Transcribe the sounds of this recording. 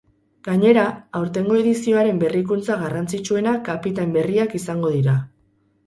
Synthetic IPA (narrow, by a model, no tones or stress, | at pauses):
ɡ̥aɲe̞ɾaːwɾt̪e̞ŋɡo̞e̞ðisio̞aɾe̞mbe̞rikunt͡saɣarant͡sit͡ʃue̞nakapit̪ambe̞riakisaŋɡo̞ðiɾa